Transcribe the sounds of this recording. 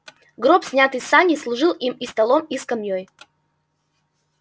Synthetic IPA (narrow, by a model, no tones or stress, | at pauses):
ɡɾopsʲnʲat̪ɨjsanʲislˠʊʐɨlˠʔimist̪ɐlˠomiskɐmʲjoj